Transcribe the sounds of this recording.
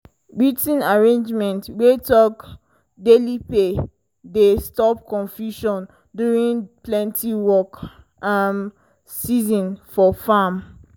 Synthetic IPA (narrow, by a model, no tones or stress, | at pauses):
ɹitĩnaɹẽnd͡ʒmɛ̃ntɹetɔɡ | delipe | destɔpkɔ̃nfjuʃɔ̃n | duɹĩnplɛ̃ntʰiwɔk | am | sizɔ̃nfɔfam